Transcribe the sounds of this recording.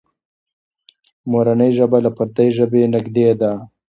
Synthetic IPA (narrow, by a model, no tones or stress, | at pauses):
moɾanəjʒəbalapaɾd̪ajʒəbenɪɡd̪ed̪a